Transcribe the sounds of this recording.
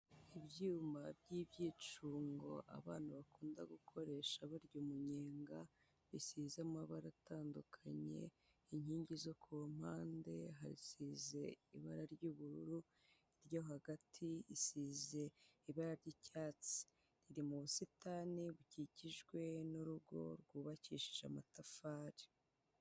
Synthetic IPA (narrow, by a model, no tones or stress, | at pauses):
ibjuːmbabjibjiːt͡ʃuːŋɡo̞̰ʔa̰βaːn̥aβakʰuːndaɡukʰo̞ɾe̞ʃaβaɾɟomuɲeːŋɡa | βisiːzamaβaɾatʰaːndukʰaɲe̞̰ | iɲhiːɲɟizo̞kʰum̥haːnde̞ɦaɾisiːze̞iβaɾaɾɟuːβuɾuɾu | iɾjahaɡatʰiisiːze̞iβaɾaɾɟicaːt͡si̥ | ɾiɾimuβusitaːniβuciciʒɡwe̞nuɾuɡo̞̰ɾɡuːβacḭːʃi̥ʒa̰matafaːɾi̥